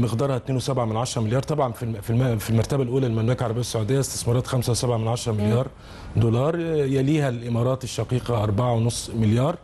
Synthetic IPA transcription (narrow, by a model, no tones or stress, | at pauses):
mɪxd̪ɑːɾˤhɑt̪neːnwesæbʕamɪnʕaʃɾˤɑmɪljɑːɾˤt̪ˤɑbʕɑnfififilmɑɾˤt̪æbælʔuːlælmææːklʕɑɾˤbɪjːæsːaʕud̪ejːæest̪e̥smɑːɾˤɑːt̪xæmsæwsæbʕamɪnʕaʃɾˤɑmɪljɑːɾˤ | d̪olɑːɾˤjæliːhælʔɪmɑːɾˤɑːt̪eʃːɑqiːqɑʔɑɾˤbaʕawenosˤːmɪljɑːɾˤ